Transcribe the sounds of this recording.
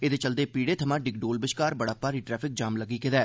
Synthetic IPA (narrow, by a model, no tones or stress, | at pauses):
ed̪eːt͡ʃəld̪eːpiːɽeːt̪ʰəmãːɖɪk̚ɖoːlbɪʃkaːɾbəɽapːaːɾiːʈɾɛːpʰɪk̚d͡ʒaːmləɡːiːkɪd̪ɛː